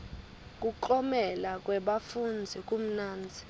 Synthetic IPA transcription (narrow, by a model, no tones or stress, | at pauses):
k̬ʼuǃɔmɛlak̬ʼwɛɓafund͡zʱikʼum̩naːnd͡zʱi̥